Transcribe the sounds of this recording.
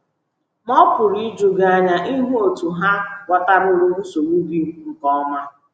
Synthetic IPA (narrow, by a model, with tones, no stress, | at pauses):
mɔ˦pʊ˨ɾi˦d͡ʒu˨ɡa˦ɲa˦ʔi˦ɦu˦o˨tu˨ɦa˦wʷa˨ta˦ɾʊ˦ɾu˦ɾu˦so˨wu˦ɡi˦u˦ŋ̩˨kɔ˦ma˦